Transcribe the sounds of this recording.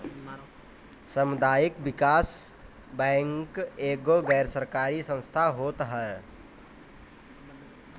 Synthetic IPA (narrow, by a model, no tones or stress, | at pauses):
səmʊd̪ʱaːjɪkbɪkaːs | bɛ̃ːŋkeːɡoɡɛːɾsəɾkaːɾisə̃nst̪ʰaɦoːt̪ɦɛː